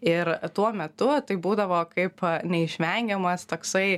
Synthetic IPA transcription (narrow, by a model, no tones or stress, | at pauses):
ɪɾt̪uɔmʲɛt̪ʊt̪ɐɪbuːd̪ɐʋoːkɐɪpnʲɛɪʃʲʋʲɛŋʲɡʲɛmɐst̪oːksɐɪ